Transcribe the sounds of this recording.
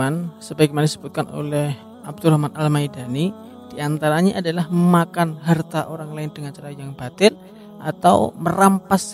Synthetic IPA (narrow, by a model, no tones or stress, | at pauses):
ansəbaɡmandisə̥but̪̚kano̰lɛh | ʔab̚d̪urahmanʔalmajdani | d̥iant̪aɾaɲaʔadalahməmakanɦart̪aʔoɾaŋlaɪndəŋant͡ʃaɾajaŋbat̪ɪl | ʔat̪a̰wmərampas